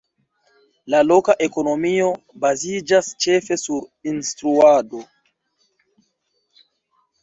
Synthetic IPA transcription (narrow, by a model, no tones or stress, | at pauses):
lalo̞kaʔe̞ko̞no̞mio̞ | bazid͡ʒast͡ʃe̞fe̞suɾinstɾuado̞